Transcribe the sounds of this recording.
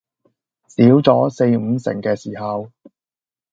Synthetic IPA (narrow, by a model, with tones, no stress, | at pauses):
siː˨˥wt͡sɔː˨˥se˧jm̩˨˧sɪ̰˨˩ŋkɛː˧siː˨˩ɦɐ˨w